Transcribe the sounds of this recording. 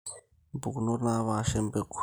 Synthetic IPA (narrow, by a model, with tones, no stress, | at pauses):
bu˨ku˨no˦na˦βa˦˨˦ʃɛ˦mbe˦kʰu˦